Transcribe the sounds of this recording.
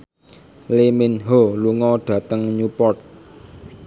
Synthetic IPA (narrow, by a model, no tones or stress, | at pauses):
leminɦoluŋɔɖ̪̥ä̤t̪əŋɲupɔrt̪̚